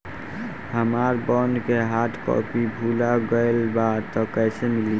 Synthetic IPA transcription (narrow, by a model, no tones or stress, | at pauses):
həmaɾbɔnkeɦaʈʰpɔ̰pibʱulaɡəɪlbat̪ɔ̃kəsemili